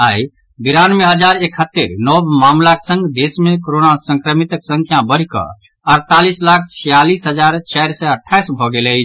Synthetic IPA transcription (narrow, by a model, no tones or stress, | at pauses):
ai | biɾanmeɦəd͡ʒaɾekʰət̪ːeɾnɔbmamlaksə̃ŋɡd̪esmekoɾonasə̃ŋkɾəmit̪əksə̃ŋkʰjãbəɾ̤ikə̰ | əɾt̪alislakʰt͡ʃʰijalisɦəd͡ʒaɾt͡ʃaɪɾsɛəʈʰːajsbʱɔɡelət͡ʃʰ